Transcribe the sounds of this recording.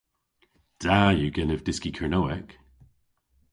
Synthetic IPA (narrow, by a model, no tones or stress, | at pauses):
d̥ajəɡɛnəvdɪskikʰənoːɛk